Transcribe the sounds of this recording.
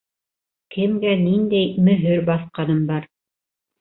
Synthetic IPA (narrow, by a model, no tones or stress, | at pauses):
kʰɘ̆mɡænind̪æjmɵ̆ɦɵɾbɑθqɑnɤmbɑɾ